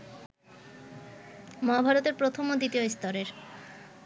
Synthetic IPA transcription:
mɔabʱaɾot̪eɾpɾot̪ʰomod̪it̪ioist̪ɔɾeɾ

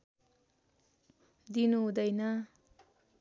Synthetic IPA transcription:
d̪inuɦud̪ʌjnʌ

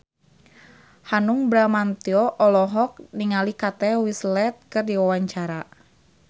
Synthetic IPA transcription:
hanʊŋbɾamant̪iɔʔɔlɔɦɔk̚niŋalikat̪ɛwislɛt̪̚kɨrdiwawaɲt͡ʃaɾa

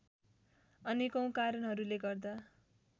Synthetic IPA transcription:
ʌnikʌ̃w̃kaɾʌnɦʌɾuleɡʌrd̪a

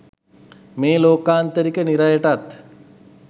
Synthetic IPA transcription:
meːloːkaːnt̪ɐɾiːkeniɾajeʈɐt̪

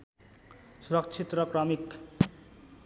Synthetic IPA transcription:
suɾʌkt͡ʃʰit̪rʌkrʌmik

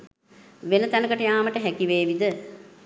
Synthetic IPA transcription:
ʋenət̪ænəkəʈəjaːməʈəɦækiʋeːʋid̪ə

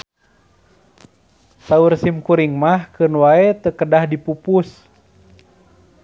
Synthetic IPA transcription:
saursimkuɾiŋmahkɨnwaet̪əkədahdipupus

